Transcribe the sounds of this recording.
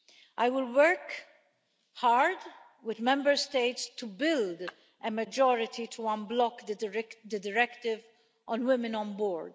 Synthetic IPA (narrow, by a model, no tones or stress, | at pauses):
ʔajwɪlwəɾk | haɹd̪ | wɪd̪mɛ̃mbəɾst̪eɪt̪st̪ubɪld̪ | ʔɛmɐd͡ʒɔːɾɪt̪ʰit̪ʰuɐ̃nblɔkd̪d̪əd̪ɪɾɛkt̪ɪv | ʔɔ̃nwɪmɪ̃nɔ̃nbɔːɾd̪